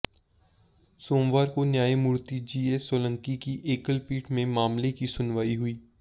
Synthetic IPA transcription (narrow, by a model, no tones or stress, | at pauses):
soːmʋaːɾkonjaːimʊɾt̪id͡ʒiːesoːlə̃ŋkikiʔeːkəlpiːʈʰmẽmaːmlekisʊnʋaːiɦʊiː